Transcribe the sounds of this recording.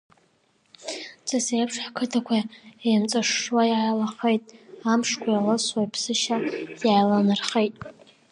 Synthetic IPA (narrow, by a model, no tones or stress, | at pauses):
t͡sʰʼasejapʰʂħakʰɨtʰakʷʰaemt͡sʼaʂːwajalaχejtʼamʂkʷʰajalaswaipʰsɨʃajajlanɨrχejtʼ